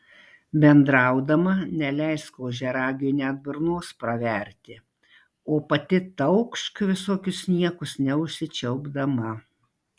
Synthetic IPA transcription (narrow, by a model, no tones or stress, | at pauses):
bʲɛnd̪ɾɐˑʊd̪ɐmɐnʲɛlʲɛɪskoːʒʲɛɾɑːɡʲinʲɛd̪̚bɪɾnoːspɾɐʋʲɛɾʲt̪ʲɪ | oːpɐt̪ʲɪt̪ɐʊkʃkʋʲɪsoːkʲʊsnʲiɛkʊsnʲɛʊʃʲsʲɪt͡ʃʲɛʊɡd̪ɐmɐ